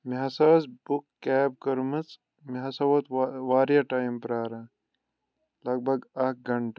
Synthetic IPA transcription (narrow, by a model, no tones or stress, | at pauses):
miɦɐsɐːsbukːeːb̚kɐɾmɐt͡s | miɦɐsɐwɐt̪waːɾijɐʈaːimpɾaːɾɐ | lɐɡ̚bʱɐɡɐk̚ɡɐɳʈɐ